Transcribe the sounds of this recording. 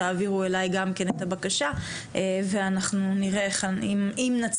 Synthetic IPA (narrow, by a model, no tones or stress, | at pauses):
aːviʁue̞lajɡamke̞net̪abakaʃa | ʔeve̞anaχnuniʁe̞eχaimimnat͡s